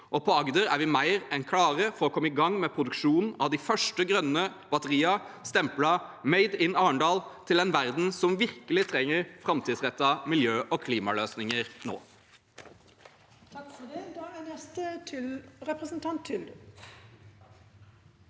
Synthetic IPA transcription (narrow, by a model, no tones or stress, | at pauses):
ʔɔpʰɔɑɡd̪əɾæɾʋɪmæɪɾɛnkʰlɑːɾəfɔɾɔkʰɔmːəɪɡɑŋːmeːpʰɾʊd̪ʉkʂuːnn̩ɑʋd̪ɪːfœʂʈəɡɾœnːəb̥ɑt̪əʁiːɑst̪ɛmplɑmeɪd̪ɪnːɑːəɳɖ̪ɑːlt̪ʰɪlɛnʋæɾd̪n̩sɔmʋɪɾkəlɪt̪ʰɾɛŋːəɾfɾɑmt̪ʰid̪sʁɛt̪ːɑmɪljøːʔɔkʰliːmɑløːsnɪŋəɾno̰ː | ɛst̪ət̪ʰɪlɾɛpɾəsn̩t̪ʰɑnt̪ʰːɪld̪